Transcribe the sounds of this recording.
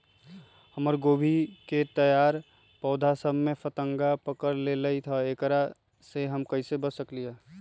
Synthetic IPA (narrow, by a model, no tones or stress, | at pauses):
həməɾɡoːbʱiket̪əjaːɾ | pɔːd̪ʱasəbʱmẽfʰət̪əŋɡapəkəɾleləit̪ʰəekɾa | seɦəmkəisebəsəklije